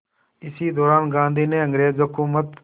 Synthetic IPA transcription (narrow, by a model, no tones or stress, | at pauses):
ɪsiːd̪oːɾaːnɡãːnd̪ʱiːnẽːə̃ŋɡɾeːzɦʊkuːmət̪